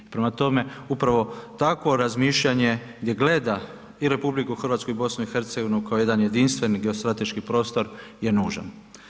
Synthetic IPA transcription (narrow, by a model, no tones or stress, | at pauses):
ipɾe̞mat̪o̞me̞upɾaʋo̞t̪akʋo̞ɾazmiʃʎaɲe̞ɡd̪je̞ɡle̞d̪a | iɾe̞publikuxr̩ʋaːt̪skuibo̞snuixe̞ɾt̪seɡo̞ʋinukaoje̞d̪anje̞d̪inst̪ʋe̞niɡe̞ost̪ɾat̪e̞ʃkipɾo̞ːst̪o̞ɾje̞nuːʒa̰n